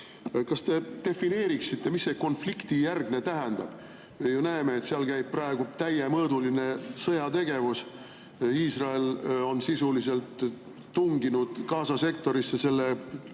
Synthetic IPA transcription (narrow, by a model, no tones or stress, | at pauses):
kɑst̪e̞t̪e̞fine̞ːɾiksit̪ˑːe̞misːe̞ko̞nflikt̪ijærɡne̞t̪æɦɛnd̪̥ɑb̥ | mejunæemeːt̪seɑlkæjb̥̚prɑe̞ɡ̥ut̪æjemɤːd̪uline̞sɤjɑt̪e̞ɡe̞vus | iːsrɑe̞lo̞nsisulise̞lt̪ː | uŋɡinud̪̥kɑːsɑse̞kt̪o̞ɾisːese̞lːe